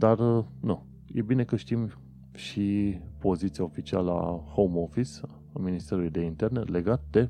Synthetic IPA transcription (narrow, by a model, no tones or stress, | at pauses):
d̪arəna | jebine̞kəʃt̪im | ʃipo̞zit̪sijao̞fit͡ʃia̰ləa̰homofis | a̰minist̪e̞ɾulujd̪e̞int̪e̞rne̞le̞ɡat̪̚d̪e̞